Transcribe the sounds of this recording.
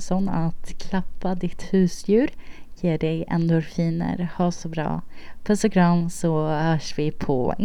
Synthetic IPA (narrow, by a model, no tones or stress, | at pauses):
sɔnat̪kʰlapːad̪ɪt̪hʉ̟ːsjʉ̟ːɾjeːɖɛjɛ̰nd̪ʊɾfiːnə̰ɾhɑːsɔbɾɑ̰ːpʰœst̪akʰɾɑːnsɔhœːʂvɪpʰɔ̰ɪ